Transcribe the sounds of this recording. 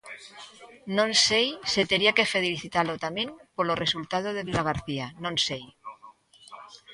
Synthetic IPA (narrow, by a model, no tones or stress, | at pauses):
nõnsejset̪eɾiake̞feðeliθit̪alot̪amjẽ̞mpoloresult̪að̞oð̞eβiɣaɣ̞aɾθianõnsej